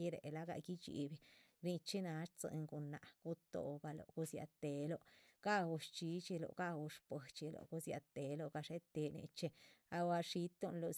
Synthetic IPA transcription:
i˦ɾḛ˨la˦ɡa̰˧ɡi˦t͡ʃḭ˨˧bi˧ɾi˧t͡ʃe˦na˨˦ʂt͡sɨ̰˧ŋɡo˨nːa˨ɡ̥u˦t̪o̰˧ba˧lo̰˨ɡu˧sja̰˧t̪e˨lo˧ɡ̥a˦wu˧ʂt͡ʃi˧˦t͡ʃi˧lo̰˨ɡa˦wu˧ʂpə˨t͡ʃi˧lo̰˨ɡu˦sja̰˧t̪e˨lo˧ɡa˧ʂe˦t̪e˧nḛ˧t͡ʃe˧a˧wa˧ʂi˦t̪o˧nlo˧

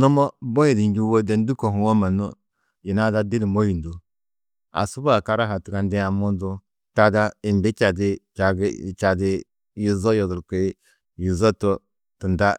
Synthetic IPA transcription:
nɔ˦mɔ˦bo˦ji˨di˨˦d͡ʒi˦wo˦dɛ˨n˦du˦ko˨hu˨wo˦ma˨nṵ˦ | ji˨na˦da˦di˦di˨mo˦ji˨n˨du˦ | a̰˨su˦ba˨ka˦ɾa˦ɦa˨tu˨ka˨ndɛ˦a˨mu˦n˦du˦ | ta˦da˦i˨mbi˦t͡ʃa˨di˦t͡ʃa˨ɡt͡ʃa˨di˦ | ji˨zɔ˦jɔ˨zu˨lke˨˦ | ji˨zɔ˦to˦ | ti˨nda˦

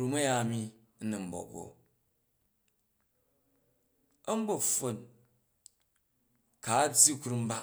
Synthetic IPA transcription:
ɾu˦mɐ˦ja˦˨mi˦ | nɐ˨m̩˦bo̰˨bo̰˨ | ɐ˦m̩˦bo˦fo˨n | ka˨˦d͡zji˦ku˨˦ɾu˦m̩˦ba˦

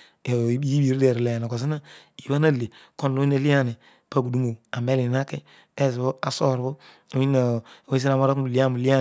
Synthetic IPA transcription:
i˦bi˨ɾi˦dɛ˨ɾlɛ˨na˨ko˨s̬i˦na˦ | i˨ba˦na˦˨le˨ko˦nlo˦i˦na˨˦li˦a˦˨ni˨ | pa˦ɡu˨du˦mo˨a˨mɛ˦li˨na˦ke˦ | ɛ˦˨s̬i˨bo˦a˨sɔ˦˨ɾbo˦ | o˨˦i˦na˨˦e˦s̬i˦ɾa˨mo˦ɾa˦ku˦u˨li˦a˦˨mu˨li˦a˦

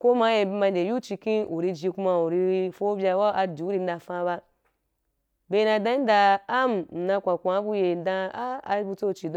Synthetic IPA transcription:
ko˦ma˦je˧ma˧nde˨ju˦t͡ʃi˧kĩ˦u˨ɾi˧d͡ʒi˧ku˧ma˧u˨ɾi˧fo˦bʲja˧wa˦ʔa˧di˨u˦ɾi˧n˦da˧fã˧˦βa˧ | be˧˦˧na˧dã˦i˦da˧a˦m˨n̩˨na˧kʷa˨kʷã˨˦bu˧je˨˦dã˧a˦a˧˦bu˧t͡so˦˨t͡ʃi˨d

